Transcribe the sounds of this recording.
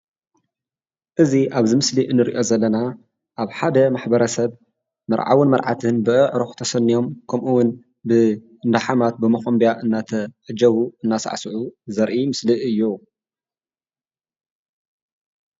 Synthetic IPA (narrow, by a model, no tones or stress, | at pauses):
ʔɨziʔaβzɨmɨsliʔɨnːɨɾḭʔo̞zɐlːɐna | ʔaβħad̪ɐmaħbɐɾɐsɐβ | mɐɾʕa̰wɨnmɐɾʕa̰t̪ʰɨnbɨʔɨʕɾoxt̪ʰɐsɐnːijo̞mkʰɐmʔuwʊn | bɨ | nd̪aħamat̪̚bɨmɐxombijaʔɨnːat̪ʰɐʕɨd͡ʒɐβuɨnːasa̰ʕsɨʕuzɐɾʔimɨsliʔɨjːo